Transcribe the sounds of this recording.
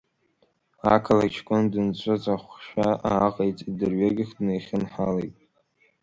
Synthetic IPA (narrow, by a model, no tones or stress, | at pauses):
akʰalat͡ʃʰkʷʼʊndɨnt͡ɕʷʰʼat͡sʷʼaχʷʃᶣaa̰ːqʼejt͡sʼidɨrɥaɡʲɪχʲdnejχʲɪnħalejtʼ